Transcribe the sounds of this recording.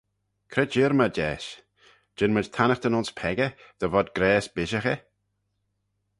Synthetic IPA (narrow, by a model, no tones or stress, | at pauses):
kʰɾɛd͡ʒɪːɾməd͡ʒɛːs | d͡ʒ̥ɪnməd͡ʒt̪ʰanəxd̪ənʊnspʰɛɡəd̪̥əvɔd̪ɡɾɛːsb̥ɪʃəxə